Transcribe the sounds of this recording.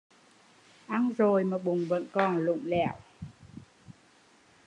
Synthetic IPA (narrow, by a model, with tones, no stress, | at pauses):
ʔa˧nzo˨˩jmaː˨˩ɓʊ˨˩ŋ͡mvə̰˧˥nkɔ˨˩nlʊ̰˧˨ŋ͡mlɛ̰˧˩w